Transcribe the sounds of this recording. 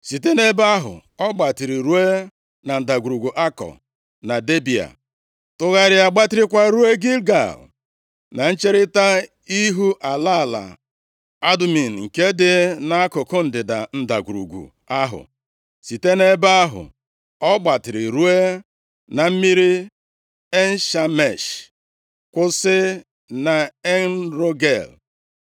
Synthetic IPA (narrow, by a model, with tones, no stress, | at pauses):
si˨te˦ne˦ba˦ɦʊ̰˨ɔ˦ɡ͡ba˨tɪ˨ɾi˨ɾu˦e˦ | na˨n̩˨da˨ɡu˨ɾu˨ɡu˨ʔa˦kɔ̰˨ | na˨de˦bi˨a̰˨ | tʊ˦ɣa˦ɾɪ˦a˨ɡ͡ba˦tɪ˦ɾɪ˦kʷa˦ɾu˦e˦ɡi˦lɡa̰˨l | na˨n̩˦t͡ʃe˦ɾɪ˦ta˦ | i˦ɦu˦ʔa˨la˦˨la̰˨ | a˦dmi˨n̩˨ŋ̩˨ke˦dɪ˦na˦a˦kʊ˨kʊ˦n̩˨dɪ˨da̰˨n̩˦da̰˨ɡʷu˨ɾṵ˨ɡʷṵ˨ | a˦ɦʊ̰˨ | si˨te˦ne˦ba˦ɦʊ̰˨ | ɔ˦ɡ͡ba˨tɪ˨ɾɪ˨ɾu˦e˦ | na˨m̩˦mi˦ɾi˦ | e˦n̩˦ʃa˦me˨ʃ | kʷʊ˦sɪ˦ | na˨e˦n˦ɾo˦ɡe˦˨l